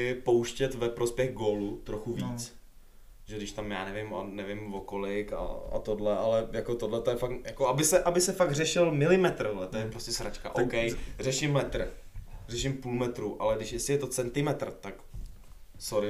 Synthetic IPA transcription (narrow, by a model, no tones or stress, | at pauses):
powʃcɛt̪vɛpɾospjɛɣɡoːlut̪ɾoxuviːt͡s | ʒ̥ɛdɪʃt̪amjaːnɛvɪmonɛvɪmvokolɪka̰a̰t̪odlɛʔalɛjakot̪odlɛt̪ojɛfakjakoabɪsɛʔabɪsɛfaɡr̝ɛʃɪlmɪlɪmɛt̪ɾlɛt̪ojɛpɾoscɛsɾat͡ʃka̰ʔowkɛjr̝ɛʃɪmːɛt̪r̩ | rɛʃɪmpuːlmɛt̪ɾuːʔa̰lɛdɪʃjɛsɪjɛt̪o̞t͡sɛnt̪ɪmɛt̪r̩t̪ak | soɾɪ